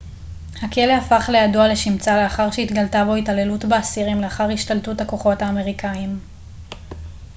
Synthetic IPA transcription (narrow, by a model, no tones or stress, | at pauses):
hakeleafaχle̞jaduale̞ʃimt͡sale̞aχaʁʃeitɡaltabo̞itale̞lutbeasiʁimleaχaʁhiʃtaltuthako̞χo̞thaːme̞ʁikʰaim